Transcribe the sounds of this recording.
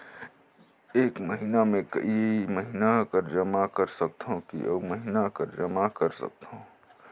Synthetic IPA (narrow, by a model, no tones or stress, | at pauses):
eːkmɐɦinamẽkɐ̰imɐɦinakɐɾd͡ʒɐmakɐɾsɐk̚t̪ɦõkḭʔəmɐɦinakɐɾd͡ʒɐmakɐɾsɐ̰k̚t̪ɦõ